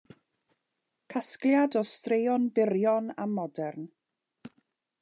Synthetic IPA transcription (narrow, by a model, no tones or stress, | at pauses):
kʰaskljadɔstrejɔnbɪɾjɔna̰mːɔdɛrn